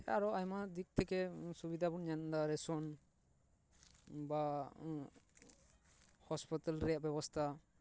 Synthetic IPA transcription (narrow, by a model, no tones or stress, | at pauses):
a̰ɾɔajmad̪ik̚t̪ʰɛkɛsubid̪ʱabunɲand̪aɾɛsɔn | ba | hɔspit̪alɾɛjaʔbɛbɔst̪ʰa